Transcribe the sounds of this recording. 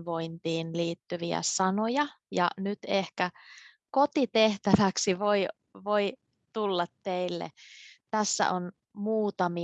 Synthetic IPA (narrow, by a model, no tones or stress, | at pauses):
ʋo̞int̪iːnliːt̪ːyʋiæ̰sɑnojɑ | jɑ̰nyt̪ehkæ | kot̪it̪eht̪æʋæksiʋoi | ʋoi | t̪ulːɑt̪teilːḛt̪æsːæ̰ʔon | muːt̪ɑmi